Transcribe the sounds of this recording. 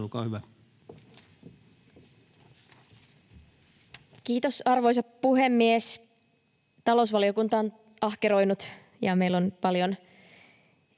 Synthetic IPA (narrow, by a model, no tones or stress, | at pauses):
lukɑhyʋæ | kiːt̪osɑrʋo̞js̬ɑppuɦemːies | t̪ɑlousʋɑlio̞kunt̪ɑːn | ʔɑhkeɾo̞jnut̪ | jɑme̞ilːonpɑljon